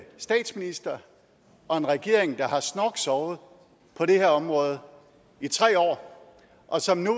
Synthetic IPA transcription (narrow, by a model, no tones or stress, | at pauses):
sd̥ɛ̰ːd̥sminisd̥ɐ | ɒ̽e̝nʁɛɡ̥e̝ɐ̰e̝ŋd̥ɑ̈hɑ̈snɒɡ̥sɒʊð̞̩ˠ | pʰɒ̽ɾe̝heɐɒ̽mʁɔ̽ːð̞̩ˠ | it͡sʰʁɛ̰ːɒ̰ː | ʔɒ̽sɒ̽mnu